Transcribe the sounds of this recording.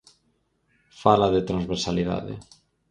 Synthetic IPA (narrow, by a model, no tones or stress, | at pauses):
falaðet̪ɾanzβeɾsaliða̰ðɪ̰